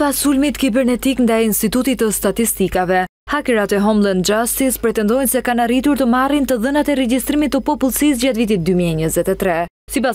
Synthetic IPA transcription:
pasulmit̪kibɛɾnɛt̪iknd̪ajinst̪it̪ut̪it̪əst̪at̪ist̪ikavɛ | hakɛɾat̪ɛɦɔmlˠənd͡ʒast̪ispɾɛt̪ɛnd̪ɔjnsɛkanaɾit̪uɾt̪əmarint̪əðənat̪ɛɾɛd͡ʒist̪ɾimit̪ːəpɔpulˠsis̬d͡ʒat̪vit̪̬it̪̚d̪ymiɛɲəzɛt̪ɛt̪ɾɛ | sipa

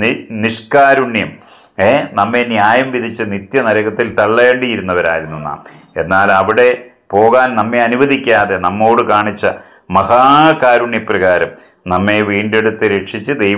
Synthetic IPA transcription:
niʂkaːɾuɳjɐm | eːnɐmːe̞njaːjɐmʋid̪ʱit͡ɕːɨnit̪jɐnɐɾɐɣɐt̪ːilt̪ɐɭːeːɳɖijiɾunːɐʋɐɾa̰ːjiɾunːunːa̰ːm | e̞nːaːlɐʋiɽe̞ | po̞ːɣaːnnɐmːe̞ɐnuʋɐðikʲːaːðe̞nɐmːo̞ːɽɨkaːɳit͡ɕːɐ | mɐhaːkaːɾuɳjɐprɐɣaːɾɐm | nɐmːe̞ʋiːɳɖe̞ɽut̪ːɨɾeʈʂit͡ɕːɨd̪ej

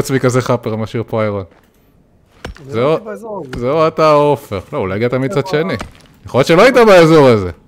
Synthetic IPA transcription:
t͡sbikazeχapeʁmaʃiʁpoaaʁon | zeuzeuataofeʁloulajɡiat̪amid̪̚t͡sad̪ʃe̞ni | jaχolot̪t͡ʃeloajtabaezoʁaze

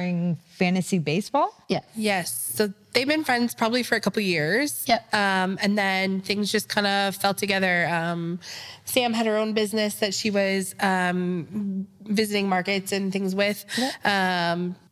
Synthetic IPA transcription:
ɪ̃ŋfæ̃nɨsibeɪsb̥ɔlˠjɛjɛsːoʊðeɪvbɨ̃nfɹɛ̃ndz̥pʰɹ̥ɑbəblifə˞ɨkʰʌpl̩ˠjɪɹz̥jɛʌ̃mɨ̃nðɨ̃nθɪ̃ŋzd͡ʒʌskʰãɪ̃ndəfɛlˠtʰɨɡɛðə˞ʌ̃msæ̃mɨɾ̚ə˞õʊ̃nbɪznɨsðɨtʃiwʌz̥ʌ̃m | vɪzɨɾɪ̃ŋmɑɹkɨtsɨ̃nθɪ̃ŋzwɪð̥ʔʌ̃m

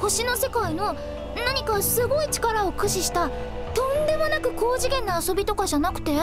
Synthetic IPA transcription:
ho̞ɕino̞se̞kaino̞ | naɲ̟ikasɨɡo̞it͡ɕi̥kaɾaokɯ̟ɕiɕi̥t̪a | t̪õ̞nd̪e̞monakɯ̟ko̞ːʑiɡẽ̞nːoːso̞bʲit̪o̞kaʑanakɯ̟̥t̪e̞

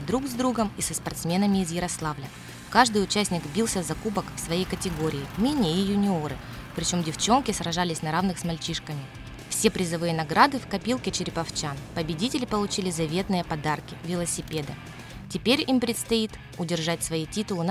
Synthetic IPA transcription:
d̪ɾuɡzd̪ɾuɡəmisəspɐrt̪smʲe̞nəmʲɪːzjɪɾɐslˠavlʲə | kaʐd̪ɨjʊt͡ɕæsʲnʲɪɡbʲilˠsʲəzɐkubəkfsvɐjejkətʲɪɡo̞ɾʲɪːmʲɪnʲeɪjʊnʲɪo̞ɾɨ̰ | pɾʲɪt͡ɕo̞mdʲɪft͡ɕo̞nkʲɪsɾɐʐalʲɪsʲnɐɾavnɨxsmɐlʲt͡ɕiʂkəmʲɪ | fsʲe̞pɾʲɪzɐvɨjənɐɡɾad̪ɨfkɐpʲilˠkʲɪt͡ɕɪɾʲɪpɐft͡ɕanpəbʲɪdʲitʲɪlʲɪpəlˠʊt͡ɕilʲɪzɐvʲe̞t̪nɨjəpɐd̪arkʲɪvʲɪlˠəsʲɪpʲe̞d̪ɨ̰ | tʲɪpʲeɾʲimpɾʲɪt̪st̪ɐit̪ | ʊdʲɪrʐat̚ʲsvɐjitʲit̪ʊlˠɨn

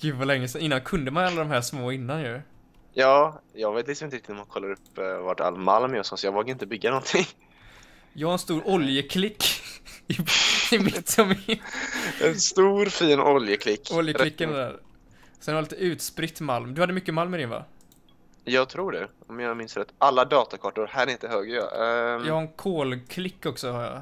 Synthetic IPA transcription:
ɡ̥ʉːd̪valɛŋːəsɛnɪnːankʰɵnd̪əmanalːad̪ɔmɦæːʂmoːɪnːanjɵ | jɑːjɑːɡveːt̪lɪksɔmɪnəɾɪk̚t̪ɪt̪ɔmːankʰɔlːaɾɵpːvaʈa̰lːma̰lmjɔsɔsɔjɑɡvoːkaɾɪnt̪əbʏɡːanɔnt̪ʰɪŋ | jɑhaɾɛnst̪uːɾʔɔljəkʰlɪkːɪɪmɪt̪ːɔmi | ɛnst̪uːɾfiːnɔljəkʰlɪkːɔljəlɪkːɛnɛd̪æ̰ːɾ | sɛnhaɾliːt̪əʉ̟ːt̪spɾɪt̪ːmalmd̪ɵhad̪ːəmʏkːəmalmɪd̪ɪnva̰ | jɑːɡt̪ʰɾuːɖɛ̰ɔmjɑmɪnsɾat̪ʔalːad̪ɑːt̪akʰɑʈʊɾhæːɾɛɪnt̪əhøːɡəjɑ̰jɑːɡhaɛnkʰoːlkʰlɪkːɔksɔhaɾjɑ̰

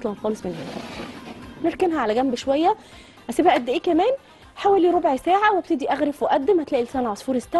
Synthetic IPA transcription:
t̪ˤlɑmæt̪xɑːlesˤmenhḛːnæ | neɾkenɦæʕalæɡæmbʃowæjːæ | ʔæsiːbæʔæd̪ːʔeːkæmæːn | ħaːwæliːɾobʕsæːʕaweb̚t̪ed̪iʔæɣɾefweʔæd̪ːemhæt̪læːʔilsæːnæʕɑsˤfuːɾest̪æ

